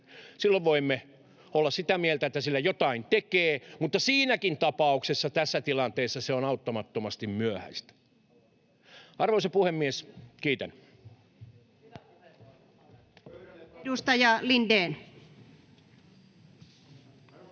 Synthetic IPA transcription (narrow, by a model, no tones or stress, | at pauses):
silːoʋʋoimːe | olːɑssit̪æmielt̪æet̪ːæsilːæjot̪ɑint̪ekeːmut̪ːɑsiːnækint̪ɑpɑuksesːɑt̪æsːæt̪ilɑnt̪eːsːɑseonɑut̪ːomɑt̪ːomɑst̪immyøhæ̰st̪æ̥ | ɑrʋoisepuhemːieskiːt̪æn | dust̪ɑjɑlindeːn